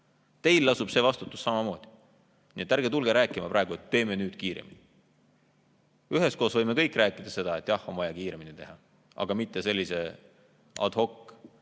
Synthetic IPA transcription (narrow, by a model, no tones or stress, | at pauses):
t̪e̞jlːɑsub̥se̞ːvɑst̪ut̪ːˑu̥sːɑmɑmo̞ːd̪̥i̥ | nḭet̪ːˑæɾɡet̪ulɡ̥eɾæːkːˑimɑpɾɑeɡ̥uet̪ːe̞ːmenyːd̪̥kiːɾḛmḭni | yɦe̞sko̞ːsvɤjme̞kɤjkˑræːkːˑid̪̥ɑse̞d̪̥ɑet̪ːˑjɑho̞mvɑjɑkiːɾe̞minit̪e̞ɦɑ | ɑ̰ɡ̥ɑmit̪ːe̞se̞lʲːise̞ | ɑ̰d̪̥ho̞kː